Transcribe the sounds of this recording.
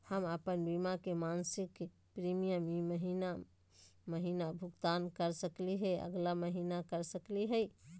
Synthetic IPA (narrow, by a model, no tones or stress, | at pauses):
həməpənbimakemansik | pɾimijəmiməɦina | məɦinabʱuɡt̪ankəɾsəkliɦɛə̰ɡlaməɦinakəɾsəkliɦəj